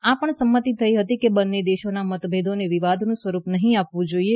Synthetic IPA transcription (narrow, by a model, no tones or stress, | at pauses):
apəɳsəmːət̪it̪ʰːəiɦət̪ikebənːed̪eʃonamət̪bʱed̪ʱoneʋiʋad̪ʱnũsʋəɾupnəɦĩapʋũd͡ʒoie